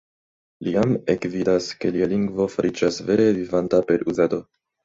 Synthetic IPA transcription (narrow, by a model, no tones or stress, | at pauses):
liame̞kvidaske̞lialiŋɡvo̞faɾʔid͡ʒasve̞ɾe̞vivantape̞ɾuzado̞